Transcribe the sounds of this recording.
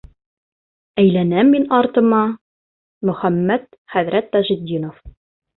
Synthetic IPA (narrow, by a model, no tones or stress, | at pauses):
æjlænæmːinɑɾt̪ɤ̆mɑ | mɵ̆χæmːæt̪̚ | χæðɾæt̪ːɑʒid̪ːinof